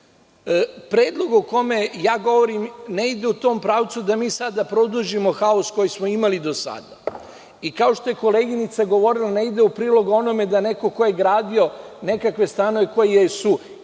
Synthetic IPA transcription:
pɾe̞ːd̪lˠo̞ɡuko̞me̞jaːɡo̞ʋo̞ɾimneid̪e̞ut̪o̞ːmpɾaːʋt̪sud̪amiːsad̪apɾo̞d̪uʒimo̞xaosko̞jismo̞imalid̪o̞sa̰d̪a | ikaoʃt̪o̞je̞ko̞le̞ːɡinit̪saɡo̞ʋo̞ɾilˠane̞id̪eupɾiːlˠo̞ɡo̞no̞me̞d̪ane̞ko̞kojeɡɾaːd̪io̞ne̞kakʋe̞st̪anoʋe̞ko̞jijesu

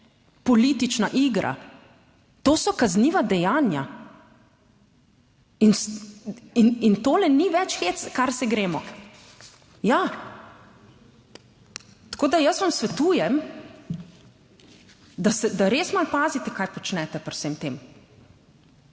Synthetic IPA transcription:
pɔliːt̪it͡ʃnaʔiːɡɾʔa̰ | t̪oːsɔkazniːʋad̪ɛjaːnja̰ | ins | inint̪oːlɛniʋɛt͡ʃxeːt̪skaɾsɛɡɾeːmɔ | ja | t̪ḁkoːd̪ajəsʋamsʋɛt̪uːjɛm | d̪asɛd̪aɾeːsmalpaːzit̪ɛkajpɔt͡ʃnɛt̪ɛpɛɾwsemt̪eːm

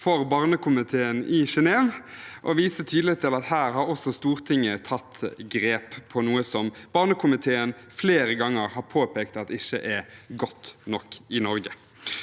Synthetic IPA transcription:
fɔʁbɑːʁnəkʰʊmɪt̪ʰeːənɪʃɛneːʋʔɔʋiːsət̪ʰyːd̪lɪt̪ʰɪlɑt̪hæːɾhɑɾɔsɔst̪uːʁt̪ʰɪŋːət̪ʰɑt̪ːɡɾeːppʰːɔnuːəsɔmb̥ɑːʁnəkʰʊmɪt̪ʰeːənfleːɾəɡɑŋːəɾhɑɾpʰoːpeːkt̪ɑt̪ɪçə̰ʔɛɡɔt̪ːnɔkːɪnɔɾɡə

